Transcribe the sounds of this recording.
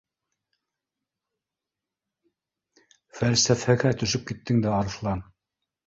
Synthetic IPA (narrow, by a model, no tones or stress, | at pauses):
fælsæfæɣæt̪ɵ̆ʃɵp̚kit̪ːɘŋd̪æɑɾθlˠɑn